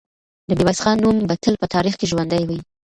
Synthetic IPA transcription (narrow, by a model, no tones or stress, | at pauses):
d̪əbewasxɑnːumbat̪əlpət̪ʰɑɾixkeʒwand̪ajwəj